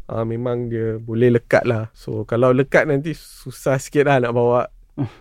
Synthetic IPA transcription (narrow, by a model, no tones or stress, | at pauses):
ʔa̰mẽmãŋdiəbolɛhləka̰t̪̚lahso̰kalawləkat̪̚nãnt̪̬isusahsi̥kɪt̪̚lahnaʔbawaʔ